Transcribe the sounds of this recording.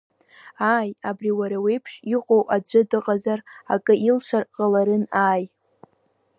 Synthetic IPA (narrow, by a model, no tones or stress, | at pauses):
aːjabriwaɾawejpʰʂiqʼowʔad͡ʒʷɨdɨqʼazarakʼɨʔilʂʰʷarqʼalaɾɨnaːj